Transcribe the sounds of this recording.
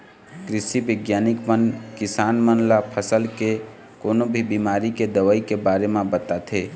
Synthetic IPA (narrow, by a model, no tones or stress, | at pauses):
kɾɪsibɪɡjanikmənkɪsanmənlapʰəsəlke | koːnobʱibimaɾiked̪əʋəikebaɾemẽbət̪at̪ʰe